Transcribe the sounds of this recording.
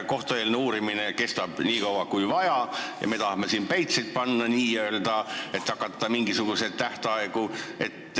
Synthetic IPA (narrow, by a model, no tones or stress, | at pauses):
ko̞ht̪oeːlneuːɾimine̞ke̞st̪ɑb̥niːkɑwɑkujvɑjɑjɑ̰me̞t̪ɑhɑme̞siːnpejt̪set̪̚pɑnːɑniːøːld̪̥ɑe̞t̪ːɑkːˑɑt̪ːɑmiŋɡisuɡ̥use̞d̪̥̚t̪ːæht̪ɑeɡ̥ue̞̰t̪ː